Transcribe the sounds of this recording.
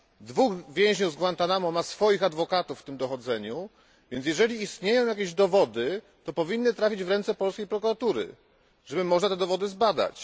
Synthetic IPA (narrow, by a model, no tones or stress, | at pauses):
d̪vuxvʲjɛ̃w̃ʑɲuzɡwant̪anamɔ̃masfɔjixad̪vɔkat̪ufːt̪ɘmd̪ɔxɔd̪zɛɲu | vʲjɛnt̪jɛʐɛlʲiːst̪ɲejɔ̃w̃jakʲeʑd̪ɔvɔd̪ɘ | t̪ɔpɔvʲinːɘt̪ɾafʲid͡ʑvɾɛnt̪sɛpɔlskʲejpɾɔkuɾat̪uɾɘ̰ | ʐ̥ɛbɘmɔʐnat̪ɛd̪ɔvɔd̪ɘzbad̪a̰t͡ɕ